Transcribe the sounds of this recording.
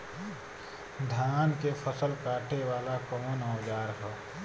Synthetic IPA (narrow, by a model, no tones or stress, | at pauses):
d̪ʱaːnkepʰəsəlkaːʈʰeʋaːlakɔmonɔːd͡ʒaːɾɦɛː